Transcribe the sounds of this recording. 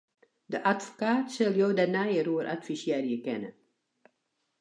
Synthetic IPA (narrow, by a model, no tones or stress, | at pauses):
dəʔatfo̥kaːtsɪlˠjoːdanajəruəɾʔa̰tfisjɛːrjəkɛnə̰